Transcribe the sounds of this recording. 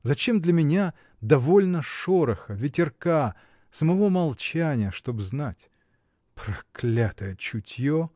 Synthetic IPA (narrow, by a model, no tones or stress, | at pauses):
zɐt͡ɕe̞md̪lʲɐmʲɪnʲa | d̪ɐvo̞lʲnəʂoɾəxəvʲɪtʲɪrka | səmɐvo̞mɐlˠt͡ɕænʲɪjəʂt̪o̞bznatʲ | pɾɐklʲat̪əjət͡ɕʊtʲjo